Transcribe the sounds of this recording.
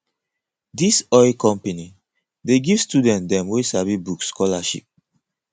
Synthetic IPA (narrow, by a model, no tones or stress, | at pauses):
disɔɪlkɔ̃mpeni | deɡiv̥studɛ̃nt̚dɛ̃mwesavibukskʰɔlaʃḭp̚